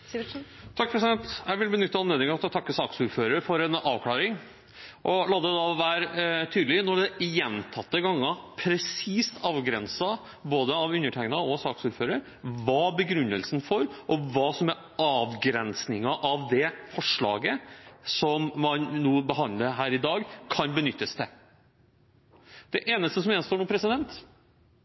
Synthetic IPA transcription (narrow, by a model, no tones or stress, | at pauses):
t̪ʰɑk̚ːpʰɾəsɪd̪ɛnt̪jæɪʋɪlb̪iːnʏt̪ːɑɑnleːd̪ɪŋɑɑt̪ɔt̪ʰɑkːəsɑːksuːɾføːɾəɾfɔɾɛnɑːʋkʰlɑːɾɪŋ | ʔɔlɑːd̪ɛd̪ɑʋæːɾt̪ʰyːd̪lɪnɔɖɛjɛnt̪ʰɑt̪ːəɡɑŋːɑpʰɾɛsiːst̪ɑːʋɡɾɛnsɑ | boːd̪əɑʋʉnːəʈʰæɪnɑɔsɑːksuːɾføːɾəɾ | ʋɑːbəɡɾʉnːəlsn̩fɔɾʔɔʋɑːsɔmɛɾ | ɑːʋɡɾɛnsnɪŋɑʔɑʋd̪ɛfɔʂɭɑ̰ːɡəsɔmmɑnnuːbəɦɑnd̪ləɦæːɾɪd̪ɑːɡkʰɑnbənʏt̪ːəst̪ʰɛ | d̪̥ɛʔeːnəst̪əsɔmɛːnst̪oːɳuːpʰɾɛsɪd̪ɛnt̪